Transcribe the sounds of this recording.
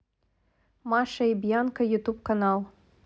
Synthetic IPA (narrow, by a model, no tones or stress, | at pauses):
maʃɐibjankɐjut̪up̚kɐnalˠ